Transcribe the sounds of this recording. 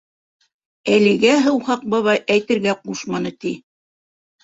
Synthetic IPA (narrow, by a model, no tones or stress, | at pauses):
ælɘ̆ɡæɦɤwhɑq̚bɤβɑjʔæjt̪ɘ̆ɾɡæquʃmɑnɤt̪i